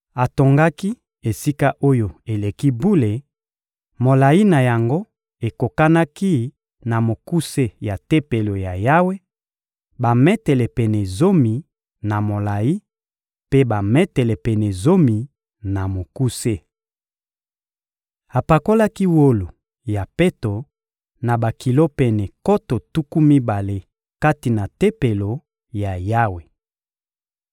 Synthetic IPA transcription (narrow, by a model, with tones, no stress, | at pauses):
a˨to˨ŋɡa˦ki˦ | e˨si˦ka˦ʔo˦jo˨e˨le˨ki˦bu˦le˨ | mo˨la˨ji˦na˨ja˨ŋɡo˦ | e˨ko˨ka˦na˦ki˦ | na˨mo˨ku˦se˦ja˨te˦pe˨lo˨ja˨ja˦we˦ | ba˨mɛ˦tɛ˨lɛ˨pɛ˨nɛ˨zo˦mi˨ | na˨mo˨la˨ji˦ | pe˦ba˨mɛ˦tɛ˨lɛ˨pɛ˨nɛ˨zo˦mi˨ | na˨mo˨ku˦se˦ | a˨pa˨ko˦la˦ki˦wo˦lo˨ | ja˨pe˦to˨ | na˨ba˨ki˨lo˦pɛ˨nɛ˨ko˦to˨tu˦ku˦mi˦ba˨le˦ | ka˦ti˨na˨te˦pe˨lo˨ | ja˨ja˦we˨